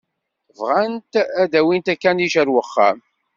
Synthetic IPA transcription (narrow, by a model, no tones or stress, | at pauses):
vʁant̪æd̪æwint̪ækːæniʃəɾwəχːæ̰m